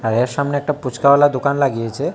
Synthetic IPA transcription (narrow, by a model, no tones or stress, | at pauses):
aɾeɾʃamneɛk̚ʈaput͡ɕkawalad̪okanlaɡijet͡ɕʰe